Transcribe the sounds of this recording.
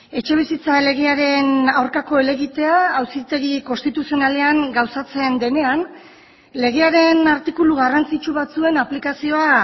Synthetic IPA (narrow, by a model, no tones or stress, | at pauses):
e̞t͡ʃe̞β̞isit͡sale̞ɣ̞eaɾe̞nawɾkako̞ele̞ɣit̪e̞aːwsit̪e̞ɣiko̞st̪it̪usio̞nale̞aŋɡawsat͡se̞nd̪e̞ne̞an | le̞ɣeaɾe̞naɾt̪ikuluɣarant͡sit͡ʃuβat͡sue̞naplikasio̞a